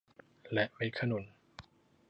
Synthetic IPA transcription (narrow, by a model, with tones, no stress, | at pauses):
lɛ˦ʔwe˦˥kʰa˧no˨˩˦n